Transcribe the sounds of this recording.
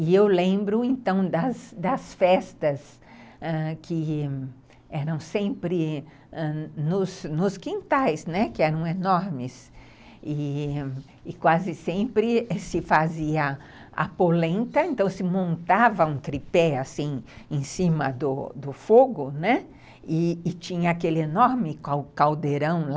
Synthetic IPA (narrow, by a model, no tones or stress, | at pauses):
ɪewlẽmbɾʊẽnt̪ɐ̃w̃d̪ɐsd̪ɐsfɛst̪ɐs | ɛkʰɪ | ɛɾɐ̃w̃sẽmpɾɪ | ɛ̃nʊznʊskĩnt̪ajsnɛkɪɛɾɐ̃w̃enɔɾmɪs | ɪː | kwazɪsẽmpɾɪɛsɪfaziɐ | a̰polẽnt̪ɐẽnt̪ɐ̃w̃sɪmõnt̪avɐũt̪ɾipɛasĩẽsĩmɐd̪ʊ̰d̪ʊfoɡʊnɛ | ɪːt͡ʃĩɲɐakelɪenoɾmɪkawkawd̪eɾɐ̃w̃l